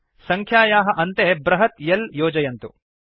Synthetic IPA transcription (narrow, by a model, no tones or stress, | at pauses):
sɐŋkʰjaːjaːɦɐ̆ʔɐnt̪ebɾɐɦɐt̪jɐljoːd͡ʒɐjɐnt̪ṵ